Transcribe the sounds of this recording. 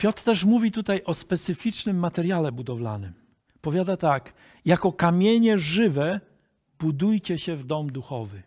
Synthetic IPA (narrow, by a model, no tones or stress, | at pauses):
pʲjɔt̪ɾt̪ɛʂmuvʲit̪ut̪ajʔɔspɛt̪sɘfʲit͡ʂnɘmːat̪ɛɾjalɛbud̪ɔvla̰nɘm | pɔvʲjad̪at̪ak | jakɔkamʲjeɲɛʐɘvɛ | b̥ud̪ujt͡ɕɛɕɛvd̪ɔmd̪uxɔvɘ